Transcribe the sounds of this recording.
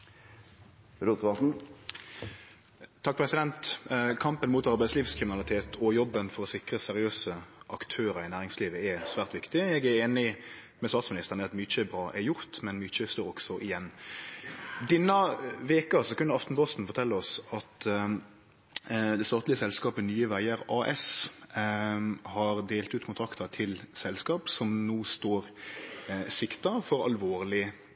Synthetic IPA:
ɾuːt̪ʋɑsn̩ | t̪ʰɑk̚ːpʰʁɛsɪd̪ɛnt̪kʰɑmpənmuːt̪ɑɾbæɪsliːʋskʰʁɪmɪnɑlɪt̪ʰeːt̪ʰɔjɔbːənfɔɾɔsɪkɾəsɛɾɪøːsəʔɑkt̪ʰøːɾəɾɪnæːʁɪŋsliːʋəɛsʋæːʁt̪ʋɪkt̪ɪɛɡæɾeːnɪmɛst̪ɑːt̪smɪnɪst̪əʁnəɑt̪myːt͡ʃəbɾɑːʔɛjʊɾt̪mɛnmyt͡ʃəɛst̪uːɾɔɡ̥sɔʔɪjɛnː | d̪ɛnːɑʋeːkɑsɔkʰʉnːəɑft̪n̩bɔst̪n̩fɔɾt̪ʰɛlːəɔsɑt̪ | d̪ɛst̪ɑːt̪lɪəsɛlskɑːpənyːəʋæɪəɾɑːʔɛs | hɑɾd̪eːlt̪ʉːt̪kʰʊnt̪ʰɾɑkt̪əɾt̪ʰɪlsɛlskɑːpsɔmnoːst̪oːɾ | sɪkt̪ɑfɔɾɑ̰lʋoːɾlɪ

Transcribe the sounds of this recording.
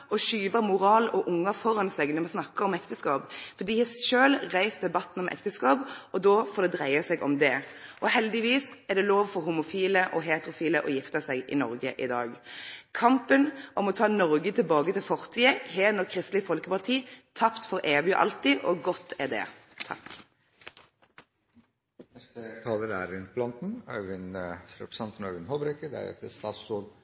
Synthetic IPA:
ɔʃyːbəmʊɾɑːlɔʔʊŋːəfɔɾɑnsɛɡnɔmɑnsnɑkːəɾɔmɛkt̪əskɑːpfɔd̪iːhsʃøːlʁæɪsd̪ɛbɑt̪ːn̩ɔmʔɛ̰kt̪əskɑːpɔd̪oːfoːd̪ɛd̪ʁæɪɑsɛɡʔɔ̰md̪ɛʔɔɦɛld̪ɪʋiːsɛʁd̪ɛloːʋfɔɾɦumʊfiːləʔɔɦeːt̪əɾʊfiːləʔɔjɪft̪əsæɡɪ̰nɔ̰ɾɡə̰ʔɪ̰d̪ɑ̰ːɡkʰɑmpənʔɔmɔt̪ʰɑːnɔʁɡət̪ʰɪlbɑːɡət̪ɪlfɔʁt̪ʰiːəheːnɔʁkʰʁɪst̪lɪfɔlkəpɑʁt̪ʰiːt̪ʰɑpt̪fɔʁʔeːʋɪ̰ʔɑ̰lt̪ɪʔɔɡɔt̪ʰːɛd̪ɛ̰ | t̪ʰɑ̰k | nɛst̪əkʰɑːd̪əɾæɾɪnbʰlɑnt̪n̩ɑ̰ənɾə̰pɾəsɑnt̪ənœʉənhɔbɾɛkəd̪æ̰ɾɛ̰t̪əst̪ɑːssul

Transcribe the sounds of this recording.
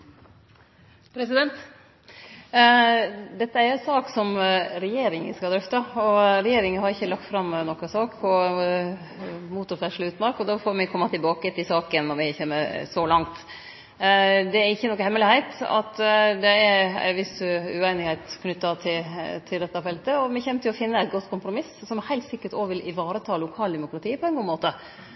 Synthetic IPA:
pʰɾɛsɪd̪ɛnt̪ | d̪ɛt̪ːəæɾɛsɑːksɔmɾɛjeːɾɪŋə̰skɑld̪ɾœft̪ɑɔɾɛjeːɾɪŋənhɑɾɪçːəlɑk̚t̪fɾɑmnɔkːəsɑːkʰɔ | muːt̪ʊɾfɛʂlɪʉːt̪mɑːɾkɔd̪ɑfoɾmɪkʰɔmːɑt̪ʰɪlbɑːkət̪ʰɪsɑːkənːɔɾʋɪçeːməsɔlɑŋt̪ | d̪ɛæɾɪçːənɔkːəhɛmːəlɪhæɪt̪ɑ̰t̪d̪ɛæɾæ̰ʋɪsʉeɪnɪɡhæɪt̪kʰnʏt̪ːɑt̪ʰɪlt̪ʰɪld̪ɛt̪ːɑfɛlt̪əɔmɛçɛmːət̪ɪlɔfɪnːəɛt̪̚ɡɔt̪ːkʰʊmpɾʊmɪssɔmɛhæɪt̪sɪkːəʈɔʋɪlʔɪʋɑːɾət̪ʰɑːlʊkʰɑːld̪ɛmʊkɾɑt̪ʰiːpʰɔɛnɡuːmoːt̪ə

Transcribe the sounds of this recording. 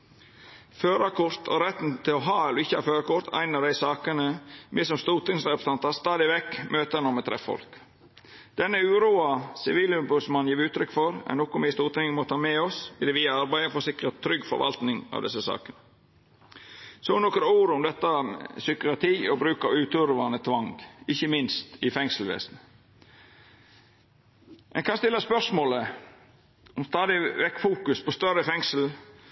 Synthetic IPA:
føːɾɑkʰʊɾt̪ʰɔ̰ɾɛt̪n̩t̪ʰɪlɔɦɑːɛlːɔɪçːəhɑ̰ɾføːɾɑkʊɾt̪ʰæ̰ɪnɑd̪æɪsɑːkənəmɪsɔmst̪uːt̪ɪŋsɾɛpə̥st̪ɑnt̪ɑst̪ɑːd̪ɪʋɛkːmøːt̪ənɔmɛt̪ʰɾɛ̰fɔ̰lk | d̪̥ɛnːəʉːɾuːɑsɪʋiːlʉbʉsmɑnjiːɾʉːt̪ʰɾʏkfɔɾɛ̰nɔkːʊmɪst̪uːt̪ɪŋəmoːt̪ʰɑːmɛːɔsɪd̪ɛːʋɪːɑɾbæɪəfɔsɪkɾət̪ʰːɾʏɡːfɔ̰ɾʋʔɑ̰lt̪nɪŋɑ̰ʋd̪ɛsːəsɑ̰ːkənə | sɔnɔkɾuːɾʊmd̪ɛt̪ːəsʏkəɑt̪ʰiːɔbɾʉːkɑʉːt̪ʉɾʋɑnət̪ʰʋɑŋɡɪçːəmɪnst̪ɪfɛŋslʋḛːsn̩ | ʔɛ̰nkʰɑnst̪ɪlːəspœʂmoːlə | ɔmst̪ɑːd̪ɪʋɛkːfuːkʉspʰɔst̪œɾəfɛŋsl̩

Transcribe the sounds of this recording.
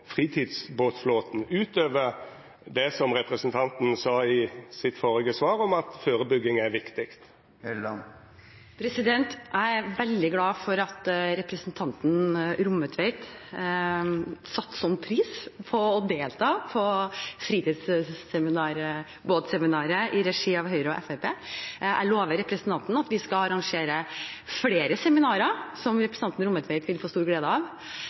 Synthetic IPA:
fʁiːt̪ʰiːd̪sboːt̪floːt̪n̩ʉːt̪øːʋə | d̪ɛsɔmʁɛpɾəsnt̪ʰɑnt̪n̩sɑːɪsɪt̪fɔɾɪɡəsʋɑːɾɔmɑt̪føːʁəbʏɡːɪŋæɾʋɪkt̪ɪkt̪ | pʰɾɛsɪd̪ɛnt̪ʔæɾʋɛld̪ɪɡlɑːfɔɾɑt̪ɾɛpɾəsnt̪ʰɑnt̪n̩ɾʊmːət̪ʰʋeɪt̪ | sɑt̪ːsɔnːpʰɾiːspʰɔɔd̪eːlt̪ʰɑːpʰɔfɾiːt̪ɪːd̪ssɛmɪnɑːɾ | boːt̪sɛmɪnɑːɾəʔɪɾɛʂiːɑʋɦœʏɾəɔʔɛ̰fæɪpeːʔæloːʋəɾɛpɾəsnt̪ɑnt̪n̩ɑt̪ʋɪskɑlɑɾɑŋʂeːɾəfleːɾəsɛmɪnɑːɾəsɔmɾɛpɾəsnɑnt̪n̩ɾʊmːət̪ʋɛɪt̪ʋɪlfoːst̪uːɾɡleːd̪əɑʋ

